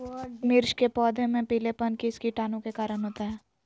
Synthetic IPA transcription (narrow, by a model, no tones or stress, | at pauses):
mɪɾʃkepɔːd̪ʱemẽpiːlepənkiskiʈaːnõkekaːɾənɦoːt̪aɦɛː